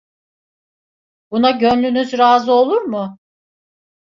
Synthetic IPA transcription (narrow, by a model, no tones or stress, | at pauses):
b̥unaɟønlʲynyzɾaːzɯo̞lˠuɾmʊ